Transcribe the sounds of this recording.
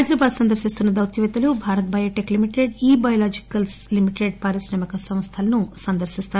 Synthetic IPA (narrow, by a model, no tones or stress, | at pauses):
jd̪ɾɐbaːd̪sɐnd̪ɐɾsist̪unːɐd̪ɐwt̪jʋɛt̪ɐlubʱaːɾɐt̪̚bɐjɐːʈeklimiʈeɖiːbɐjɐlaːd͡ʒikɐlslimiʈeɖpaːɾisnɐːmikɐsɐmst̪ʰɐlɐnusɐnd̪ɐɾsist̪aː